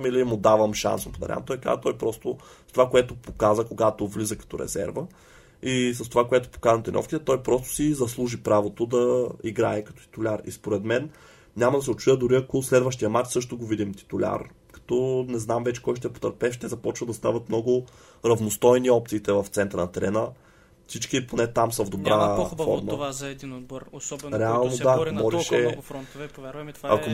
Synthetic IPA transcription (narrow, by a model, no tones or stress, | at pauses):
milimʊd̪avəmʃa̰nsnpod̪ɐ̰ɾʲa̰mt̪ɔjka̰t̪ɔjpɾɔst̪oʊ | st̪ovakoɛt̪ʊpokazəkoɡat̪ovlizəkɐ̥t̪ɔɾɛ̰zɛ̰ɾvə | is̬ɐst̪ovakoɛt̪ʊ̥po̥kazət̪inɔ̰fkʲit̪ɛt̪ɔjpɾɔst̪ʊ̥sizɐslˠuʒipɾavot̪od̪ɐiɡɾaɛkɐt̪ɔ̥t̪ʲi̥t̪ʊlʲaɾḭspoɾɛd̪mɛn | ɲʲamɐd̪ɐsɛot̪t͡ʃujəd̪ʊɾiɐkoslɛd̪vəʃt̪ijɐmat͡ʃsɤʃt̪oɡovid̪imt̪i̥t̪ʊlʲa̰ɾ | kɐ̥t̪ɔnɛznamvɛt͡ʃɛ̥kɔjʃt̪ɛpo̥t̪əɾpɛʃt̪ɛzɐpɔt͡ʃvəd̪ɐst̪avɐt̪mnɔɡʊ | ɾɐvnost̪ɔjniɔp̚t̪siːt̪ɛvɐft̪sɛnt̪ɾənɐt̪ɛɾɛnə | fsit͡ʃkiponɛt̪amsɐvd̪obɾafɔ̰ɾməd̪ɾɔɾɛalˠnod̪aːkomɔʒɛʃɛɾɔnt̪ | ɐ̰ko